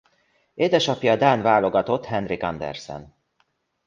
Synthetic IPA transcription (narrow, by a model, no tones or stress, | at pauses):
eːd̪ɛʃɒpjɒd̪aːnvaːlo̞ɡɒt̪o̞t̪ːhɛnrikɒnd̪ɛ̰rsɛ̰n